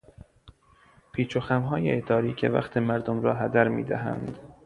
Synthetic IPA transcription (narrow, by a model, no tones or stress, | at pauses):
pʰiːt͡ʃʰoxæmɦɒːjeet̪ʰɒːɾiːcʰe̞̰væ̰xt̪ʰemæɾd̪omɾɒːɦæd̪æɾmḭːd̪æɦæ̰nd̪